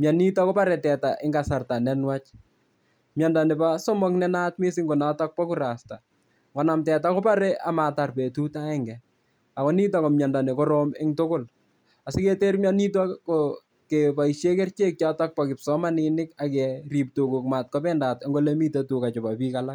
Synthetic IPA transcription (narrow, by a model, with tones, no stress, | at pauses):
mja˨ni˦ta˦kɔ˦pa˦ɾɛ˨tɛ˨taʔɪ˦ŋɡasa˨rta˨nɛnwa˦t͡ʃ | mja˨nda˨ne˨pasɔ˦mɔ˦knɛnatmɪ˦sɪ˦ŋɡo˨na˦ta˦k̚pɔ˦ku˦ɾa˨sta˨ | ŋɡɔ˨na˨mtɛ˨takɔ˦pa˦ɾɛ˦ʔa˨ma˨ta˨rpe˨tu˦ta˦ɛŋɡɛ˨ | a˨kɔ˦ni˦t̬a˦ko˨mja˨nda˨ne˨kɔ˦ɾɔ˦mɪ˦ŋtʊkʊ˦l | a˨sɪ˦ketermjani˦ta˦ko | kepa˨i˨ʃje˦kɛ˦rt͡ʃe˦k̚t͡ʃjata˦k̚pɔkɪ˨psɔ˦ma˦nɪnɪ˦kakɛri˨p̚to˨ku˨kma˨t̚kɔpɛnda˨ta˦ŋɡo˦lemi˦te˨tu˨ka˨t͡ʃɔ˨pa˨piː˦kala˦k̚